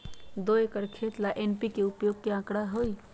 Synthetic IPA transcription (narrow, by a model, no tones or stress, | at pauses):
d̪oekəɾkʰet̪laʔenpikeupjoɡ̚keãkɽaɦoj